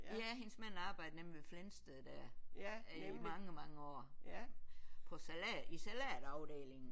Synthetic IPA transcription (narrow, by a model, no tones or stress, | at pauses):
jæɦe̝nsmæn̰ɑ̈ːb̥ɑ̈ɪd̥ənemliʋeflensd̥eð̩ˠd̥æɐ̰ | mɑ̈ŋəmɑ̈ŋəɒ̰ː | pʰɒ̽sælɛisælæːd̥ɑ̈ʊd̥ḛːle̝ŋn̩